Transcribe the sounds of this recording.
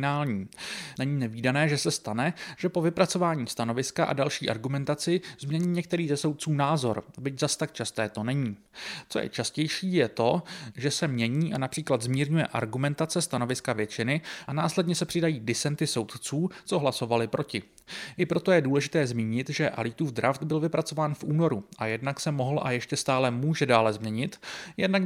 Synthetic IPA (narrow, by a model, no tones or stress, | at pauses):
naːlɲiːnɛɲiːnɛviːdanɛːʒɛsɛst̪anɛʒ̥ɛpo̞vɪpɾat͡so̞vaːɲiːst̪ano̞vɪskaʔa̰dalʃiːʔaɾɡumɛnt̪at͡sɪzmɲɛɲiːɲɛk̚t̪ɛɾiːzɛso̞wt̪̚t͡suːnaːzo̞̰ɾbɪczast̪akt͡ʃast̪ɛːt̪o̞nɛɲiː | t͡so̞jɛ̰t͡ʃascɛjʃiːjɛt̪o̞ʒɛsɛmɲɛɲiːʔanapr̝̥iːklad̪zmiːɾɲujɛ̰ʔa̰ɾɡumɛnt̪at͡sɛst̪ano̞vɪskavjɛt͡ʃɪnɪʔanaːslɛdɲɛsɛpr̝̥ɪdajiːdɪt͡sɛnt̪ɪso̞wt̪t͡suːt͡so̞ɦlaso̞valɪpɾo̞cɪ | ʔɪpɾo̞t̪o̞jɛduːlɛʒɪt̪ɛːzmiːɲɪt̪ʒɛʔa̰lit̪uːfd̪ɾaft̪bɪlvɪpɾat͡so̞vaːnfʔuːno̞ɾuʔajɛdnaksɛmo̞ɦl̩ʔa̰jɛʃcɛst̪aːlɛmuːʒɛdaːlɛzmɲɛɲɪt̪jɛdnak